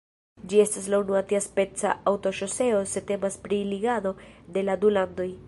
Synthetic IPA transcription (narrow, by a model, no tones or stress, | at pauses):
d͡ʒie̞staslaunuatiaspe̞t͡sa̰awto̞ʃo̞se̞o̞se̞te̞maspɾiliɡado̞de̞ladulando̞j